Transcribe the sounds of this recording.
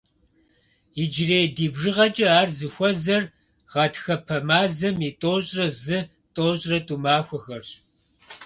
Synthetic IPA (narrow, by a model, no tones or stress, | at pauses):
id͡ʒɪreːjdiːbʐɨʁɐt͡ʃʼɐaːrzɨxʷɔzɐr | ʁɐtxɐpʰɐmaːzɐmitʼoːɕʼrɐzɨ | tʼoːɕʼrɐtʼumaːxʷɔxɐrɕ